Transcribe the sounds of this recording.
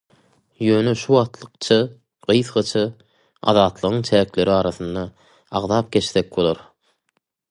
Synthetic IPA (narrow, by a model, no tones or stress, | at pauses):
jøːneʃuwɑʁt̪lˠɯqt͡ʃʰɑ | ɢ̥ɯjθχɑt͡ʃʰɑ | ɑ̰ðɑːt̪lˠɯʁɯŋt͡ʃʰæːkle̞ɾiɑːɾɑθɯnd̪ɑ | ɑʁðɑːp̚ɡʲe̞t͡ʃθek̚bolˠoɾ